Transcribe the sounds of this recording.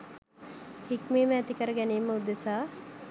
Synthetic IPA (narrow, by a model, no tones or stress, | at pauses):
hikmeːməæt̪ikəɾəɡæniːməud̪esaː